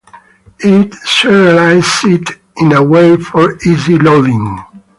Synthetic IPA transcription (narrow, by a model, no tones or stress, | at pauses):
itsɛɹəlaɪzɪt | ɪ̃nəweɪfɔ˞izilovĩŋ